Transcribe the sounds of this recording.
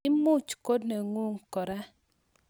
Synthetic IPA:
i˦mu˦˨t͡ʃko˦dne˨ŋu˦˨ŋkɔ˨ɾa˦

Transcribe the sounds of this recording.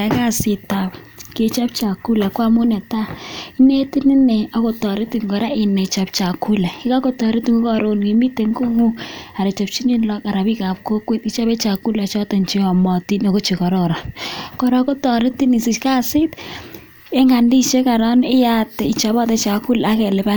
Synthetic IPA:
ka˦˨sɪ˨ta˨p | ke˨t͡ʃa˦p̚t͡ʃa˨ku˦la˨kwa˦mʊ˦nɛ˨ta˦i˦ne˦ti˦nɪ˦nɛ˨ɔ˨ko˨tɔ˨ɾɪ˦ti˨ŋɡɔ˨ɾa˦ɪ˨nɛ˨t͡ʃa˨p̚t͡ʃa˨ku˦lɛ˨kɪ˦ka˦ko˦tɔ˨ɾi˦tŋu˦kɔ˨ɾo˦nki˨mi˦te˨ŋɡo˦ŋu˦a˨ɾɛ˨t͡ʃa˨p̚t͡ʃi˦ɲi˦nlɔ˦ka˨ɾa˨bi˦ka˨p̚ko˦kwe˦ti˨t͡ʃa˦be˦t͡ʃa˨ku˦la˨t͡ʃɔ˦tɛ˨nt͡ʃi˦ɔ˨mɔ˨ti˦no˨ko˦t͡ʃi˨kɔ˨ɾɔ˨ɾa˨kɔ˨ɾa˨˦ko˦tɔ˨ɾɪ˦ti˦ni˨si˨t͡ʃka˦sɪ˦t | e˦ŋa˨ndi˦t͡ʃe˦ka˨ɾɔ˦nɪ˦ja˦tɛ˨i˨t͡ʃa˨bɔ˦tɛ˦t͡ʃa˨ku˦la˦kɛ˨lɪ˨pa˦

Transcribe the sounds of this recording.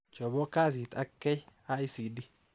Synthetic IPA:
t͡ʃɔ˨bɔ˦kaː˦s̬i˨t̪ɐ˦kːɛ˦ja˦ɪ˦siː˨d̪ɪ

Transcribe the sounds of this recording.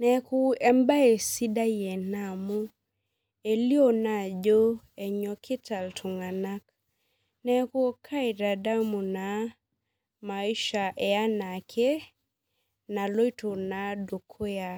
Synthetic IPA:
nɛ˨ku˦ɛ˦mba˦e˨si˦da˦jɛ˨na˨mu˦ | e˨li˦o˦na˨d͡ʒo˦ | ɛ˨ɲɔ˨kʰɪ˦ta˨ltʰu˨ŋa˨na˦k | nɛ˦ku˦kʰa˦i˨da˨da˦mu˨na˨ | ma˨i˦ʃa˨ʔɛ˨a˦na˨kʰe˦ | na˨lo˦i˦tu˨na˨do˨kʰo˦ja˨

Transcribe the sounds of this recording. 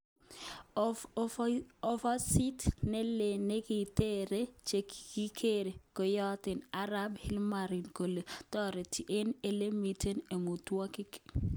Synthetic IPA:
ɔ˦fa˦si˦tnɛ˦le˨ne˦ki˨te˦ɾe˦t͡ʃe˨kki˦kʰe˦ɾe˨ko˨jɔ˦t̪ɪ˨na˦ɾa˦bhɪ˦lma˨ɾi˨nko˨le˨tɔ˦ɾe˨ti˨ʔe˦ne˨le˦mi˨tʰe˦ne˨mu˨twa˦kɪ˦k

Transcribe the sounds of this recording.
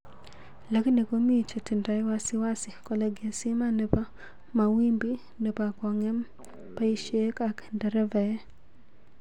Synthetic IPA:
la˨˦ki˦ne˨ko˦mi˦˨t͡ʃe˨tɪ˨nda˨ɪ˦wa˦sɪ˦wa˦sɪ˨kɔ˨lɛ˨ɡe˨si˦ma˦ne˨pa˦ | ma˨wi˦mbi˦ | ne˨pa˨kɔ˨ŋɛ˦m | pa˦i˦ʃe˦ka˨kndɛ˨ɾɛ˦vɛ˨˦

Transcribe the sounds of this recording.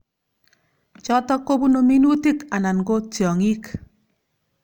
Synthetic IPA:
t͡ʃɔ˦tɔ˦kːo˦bu˦no˨mi˦nu˦ti˦ka˨na˨nɡo˦tjɔ˨ŋi˦k

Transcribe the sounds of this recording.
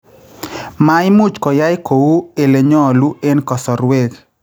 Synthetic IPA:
ma˨ɪ˦mu˦t͡ʃkɔ˨ja˦ɪ˦ko˨wu˦e˨le˨ɲɔ˦˨lu˦e˦nkɔ˨sɔ˨ɾwe˦k

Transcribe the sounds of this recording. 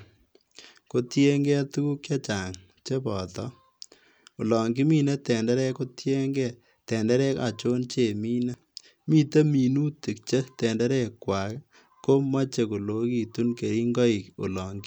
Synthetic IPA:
ko˦tje˦ŋɡɛ˦tu˦ku˦kje˦t͡ʃa˨ŋ | t͡ʃe˦pɔː˨tɔ˦ | o˨lɔ˨ŋɡi˦mi˦ne˦tɛ˨ndɛ˦ɾɛ˦ko˦tje˦ŋɡɛ˨ | tɛ˨ndɛ˦ɾɛ˦ka̰˨t͡ʃo˦nt͡ʃe˨mi˦na˦ | mi˦te˦mi˨nu˦ti˨k̚t͡ʃe˦tɛ˨ndɛ˦ɾɛ˦kːwa˨k | ko˦ma˦t͡ʃe˨ko˨lo˨˦ki˨tu˦nke˨ɾi˦ŋɡɔ˦i˨o̰˨lɔː˨ŋɡɪ˦

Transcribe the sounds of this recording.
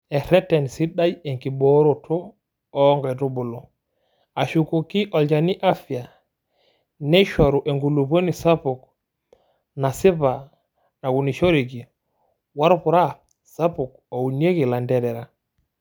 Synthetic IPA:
e˨ɾɛ˦tɛ˨nsi˦ɗa˦je˨ŋki˨bo˦ɾo˨tʰɔː˦ | ŋɡaɛ˨tu˦bu˨lo˨ | a˨ʃu˨ko˨ki˦ʔo˨lɟa˨ni˦ʔa˦fi˨a˨ | ne˦ʃo˨ɾu˨ʔe˨ŋɡu˨lu˨po˦ni˨sa˦pu˨k | na˨si˦ba˨ | na˨ɡu˨ni˨ʃo˦ɾi˨ki˨ | wa˦ɾo˦pu˨ɾa˦ | sa˦pu˨k̚ | o˨u˨ni˦e˦ki˨la˨ndɛ˨ɾɛ˨ɾa˨

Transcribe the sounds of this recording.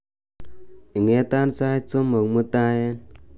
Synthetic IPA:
i˨ŋe˨˦ta˦nt͡sa˦i˦t͡so˦mːo˨kmu˦ta˦je˦n

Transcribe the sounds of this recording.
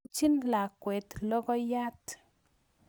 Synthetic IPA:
t͡ʃi˦nla˨kwɛ˨t̪lɔ˦kɔ˦ja˦t̪

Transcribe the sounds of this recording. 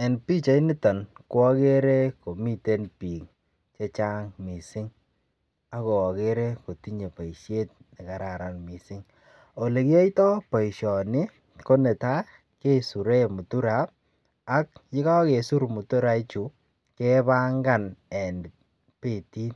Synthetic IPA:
ɛ˨npi˦t͡ʃa˨˦i˦ni˦tɔ˨nkwɔ˦ke˦ɾe˦ko˨mi˦te˦npi˨ŋ | t͡ʃe˦t͡ʃa˦ŋmi˨sɪ˦ŋ | a˦ko˨ɔ˨ke˦ɾe˦ko˨ti˦ɲe˨pa˨i˨ʃe˦t̚nɪ˨ka˨ɾa˨ɾa˨nmi˨sɪ˦ŋ | o˨le˨ki˦ɔ˦itɔ˦pa˨i˨ʃɔ˨nɪ˦ | ko˦nɛ˨ta˦ | ke˦su˨ɾe˦mu˨tu˦ɾa˨p̚ | a˦k̚jɪ˦ka˦ke˨su˦ɾmu˨tu˦ɾa˨˦i˦t͡ʃu˨ | ke˦ba˦ŋɡa˦nɛ˨n | pi˨ti˦n

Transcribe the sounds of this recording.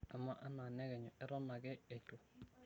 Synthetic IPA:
a˨ma˦ʔa˦na˨nɛ˦ɡɛ˨ɲɔ˨ɛ˦ɾɔ˦na˨ɡɛ˦e˨tu˨

